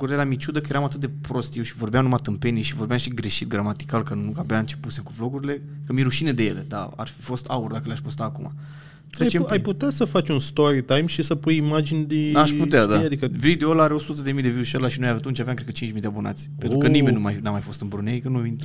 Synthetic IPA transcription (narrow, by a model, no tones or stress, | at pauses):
kuɾelamit͡ʃud̪əkəje̞ɾamat̪ɨt̪d̪epɾo̞st̪jewʃivo̞rbejamnumat̪ɨmpe̞nieʃivo̞rbeamʃiɡɾe̞ʃit̪̚ɡɾamat̪i̥kalkənuabeaɨnt͡ʃe̞pusemkuflo̞ɡuɾile̞kəmiɾuʃined̪e̞je̞le̞̰d̪a̰a̰rfifo̞st̪aurd̪akəleaʃʲpost̪aːkuma̰ | t̪ɾet͡ʃemajput̪easəfat͡ʃʲunst̪oɾit̪ajmʃisəpujimad͡ʒinʲd̪iaʃput̪ead̪aad̪ikəvid̪iolaɾeo̞sut̪əd̪emijd̪e̞viuʃolaʃinojaat̪unt͡ʃaveamkɾekət͡ʃint͡ʃmid̪eabona̰t̪sʲpet̪ɾukənimenʲnumajnamajfo̞st̪ɨnbɾuneikənuint̪